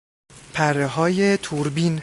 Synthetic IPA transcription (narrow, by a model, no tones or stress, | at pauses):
pʰæreɦɒːjet̪ʰuɾbiːn